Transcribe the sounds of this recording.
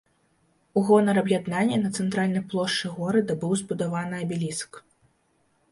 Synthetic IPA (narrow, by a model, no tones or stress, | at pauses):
uɣɔnɐɾɐbjʲad̪nanʲːɛnɐt̪sɛnt̪ɾalʲnɐjplˠɔʂt͡ʂɨɣɔɾɐd̪ɐbɨwzbud̪avanɨɐbʲilʲisɐ̥k